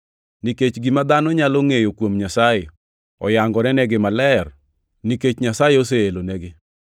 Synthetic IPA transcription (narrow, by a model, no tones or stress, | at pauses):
niket͡ʃɡimad̪anɔɲaloŋejokwomɲasaje | ɔ̰jaŋɡɔɾɛnɛɡɪmalɛr | niket͡ʃɲasajeos̬eelonɛɡɪ